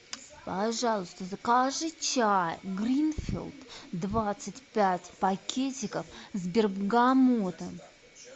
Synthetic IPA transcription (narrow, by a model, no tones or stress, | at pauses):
pɐʐɑlˠʊst̪əzəkaʐɨt͡ɕajɡɾʲinfʲɪ̰lˠt̪d̪vat̪sɨtʲpʲætʲpɐkʲʰetʲɪkəfzbʲɪrbɡamot̪ə